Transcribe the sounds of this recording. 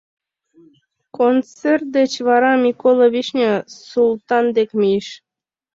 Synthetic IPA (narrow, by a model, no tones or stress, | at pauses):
kont͡sert̪̚d̪et͡ɕβɑɾɑmʲikolˠoβʲiʃnʲesulˠt̪ɑnd̪ekmijeʃ